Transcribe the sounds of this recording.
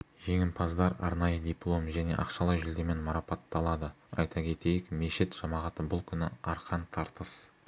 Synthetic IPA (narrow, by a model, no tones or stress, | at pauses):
ʒe̞ŋʲɪmpʰɑzd̪ɑɾɑ̰ɾnɑjəd̪ʲijplˠo̞mʒæne̞̰ʔɑ̰qʃɑlˠɑjʒɪld̪e̞me̞nmɑɾɑpɑt̪ːɑlˠɑd̪ə | ɑ̰jt̪ʰɑkʲʰe̞t̪e̞jɪkme̞ʃɪt̪ʒ̥ɑmɑʁɑt̪əbʊlˠkʲʰʏnɪɑɾqʰɑnt̪ʰɑɾt̪əs